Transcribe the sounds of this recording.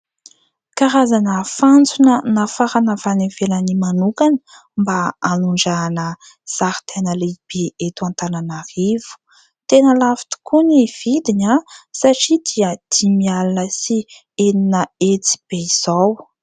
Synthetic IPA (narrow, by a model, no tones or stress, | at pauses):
kaɾazanəfant͡sunənafaɾanəvanevelənimanukanə̥ | mbaːnuɳɖ͡ʐanə | z̥aɾi̥t̪ʰenəleb̥eʔet̪uant̪ananarivu̥ | t̪enəlafi̥t̪u̥kuniv̥id̪inasaʈ͡ʂid̪iəd̪̥imialanəsi | eninəet͡si̥b̥eiz̥aw